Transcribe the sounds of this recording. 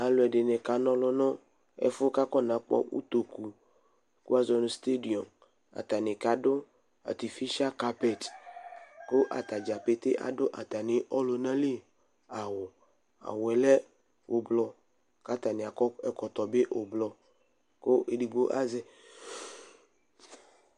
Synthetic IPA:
a˨lʊ˨ɛ˨ɖɪ˨nɛ̃˨ka˨nɔ̃˦lɔ˦nɔ̃˦ | ɛ̰˨fʊ˦ka˦kɔ˦nã˨˦k͡pɔ̰˦wṵ˦t̪o˨ku˨ | ku˦a˦zɔ˨nʊ̃˦st̪e˦di˨ɔ˨m | a̰˨t̪a˨nɪ̃˨ka˨dʊ˦ | a̰˨t̪i˨fi˦ʃa˦ka˨pɛ˦t | ko˦ʔa̰˨t̪a˨d͡ʒa˨pe˨t̪e˦ʔa̰˨dʊ˦ʔa˨t̪a˨nɪ̃˨ɔ˦lo˨nã˦li˦ | a˨wɔ˨ | a̰˨wɛ˨lɛ˦ | wʔo˨blɔ˨ | ka˦t̪a˨nɪ̃˨a˨kɔ˦ɛ˨kɔ˨t̪ɔ˨be˦ʔʔo˨blɔ˨ | ko˦e˨di˨ɡ͡bo˦ʔa˦zɛ˦

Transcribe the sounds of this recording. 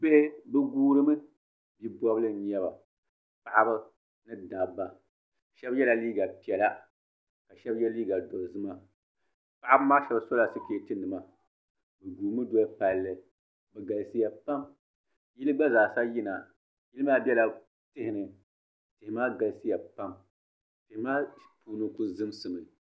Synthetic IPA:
be˦bɛ˦ɡuː˦ɾɨ˦mɨ˦ | bi˨bʷɔ˦blɨ˦ɲɛ˦ba˨ | pa˨ʔa˦bɨ˦ | nɨ˦da˨bːa˨ | ʃɛ˦bjɛ˦la˨liː˦ɡa˨pi˨ɛ˨la˦ | ka˨ʃɛ˦bjɛ˦liː˦ɡa˨do˨zɨ˦ma˨ | pa˨ʔa˦bɨ˦maː˦ʃɛ˦bso˦la˨sɨ˦keː˨tɨ˦ndɨ˨ma˨ | bɛ˨ɡuː˨mɨ˦do˦a˦pa˨lːɨ˨ | bɛ˨ɡa˨lsi˦ja˨pa˦m | ji˦lɨ˦ɡ͡ba˦zaː˨sa˦ji˦na˨ | ji˦lɨ˦maː˦bʲɛ˦la˨ | tɨ˦hɪ˨nɨ˨ | tɪ˨hɪ˨maː˦ɡa˨lsɨ˦ja˨pa˦m | tɪ˨hɪ˨maː˦puː˨nɨ˦ku˦zɨ˦msɨ˨mɨ˨

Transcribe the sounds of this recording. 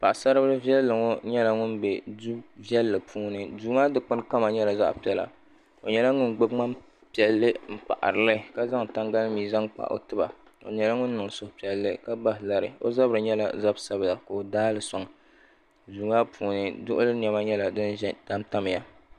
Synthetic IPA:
pa˨ʔsa˦ɾɨ˦bɾɨ˦vi˦ɛ˦lːɨ˨ŋo˦ɲɛ˦la˨ŋʊ˦nbɛ˨du˦vɛ˦lːɨ˨pʰuː˦nɨ˨duː˨ŋaː˦dɨ˦k͡pɨ˦n˦ka˦ma˨ɲɛ˦la˨za̰˦ʔpi˨˦ɛ˨la̰˨ | o˨ɲɛ˨la˦ŋʊ˦nɡ͡bo˦bŋ͡ma˦m | pi˨ɛ˨lːɨ˦m̩˦pa̰˨ʔa̰˨ɾɨ˨lɨ˦ka˦za˦ŋ˨ta˦ŋɡa˦lmiː˨za˦ŋk͡pa̰˨ʔo̰˨tɨ˦ba̰˨ | o̰˨ɲɛ˨la˦ŋʊ˦nː˦ɨ˨ŋ˨sʊ˨hpi˨ɛ˨lːɨ˦ka˦ba˦ɦla˨ɾɨ̰˨o̰˦za˦bɾɨ˨ɲɛ˦la̰˨za˦bsa˦bla˨ko˨o˨daː˦lɨ˨sa˨ŋ˨ | duː˨ŋa˦pʰuː˨nɨ˦dʊ˦ʔʊ˦lɨ˦n˨ɛ˨ma˦ɲɛ˦la˨dɨ˦n˦ɛ˦ta˦mta˦m˨ja˨

